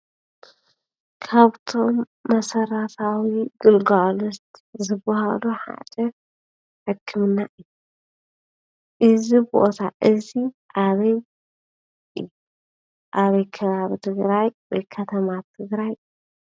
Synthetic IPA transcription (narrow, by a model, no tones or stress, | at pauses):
kʰaβt̪ʰo̞mː | ɐsɐɾɐt̪ʰawiɡɨlɡalust̪zɨbːɐha̰luħa̰d̪ʼɐ | ħɨkʰːɨmɨnːaʔɨjːu | ʔɨzibo̰t̪ʰaʔɨzi | ʔaβɐj | ɨ̰ju | ʔaβɐjkʰɐβaβit̪ʰɨɡɾajwɔjkʰɐt̪ʰɐmat̪ʰːɨɡɾaj